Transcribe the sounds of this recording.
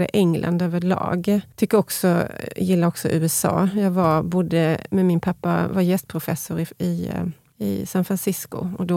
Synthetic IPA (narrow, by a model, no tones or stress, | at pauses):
d̪ə̰ʔɛŋlʔa̰nd̪øːvəɾɭɑ̰ːɡt̪ʰʏkːəɾɔksɔjɪlːaɾɔksɔ̰ʔʉ̟ːɛsɑ̰ːjɑːɡvabʊd̪ːəmɛmɪnpʰapːavajɛst̪̚pʰɾʊfɛsʊɾɪɪ | ɪ̰sanfɾansɪskʊ̰ɔd̪ɔ